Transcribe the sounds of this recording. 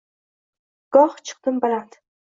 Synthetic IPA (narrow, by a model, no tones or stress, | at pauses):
ɡ̥ɒht͡ʃʰɨ̥q̚d̪ɨmbalant̪